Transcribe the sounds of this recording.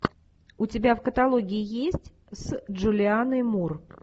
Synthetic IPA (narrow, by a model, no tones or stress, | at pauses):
ʊtʲɪbʲafkət̪ɐlˠoɡʲɪɪjesʲtʲ | sʐʊlʲɪanəmur